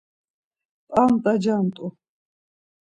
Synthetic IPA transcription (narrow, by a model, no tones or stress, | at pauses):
tʼamt̪ʼad͡ʒant̪ʼʊ